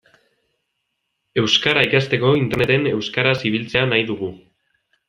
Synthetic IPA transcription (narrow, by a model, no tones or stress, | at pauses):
e̞wskaɾaikast̪e̞ko̞int̪e̞rne̞t̪e̞ne̞wskaɾasiβ̞ilt͡se̞anajðuɣu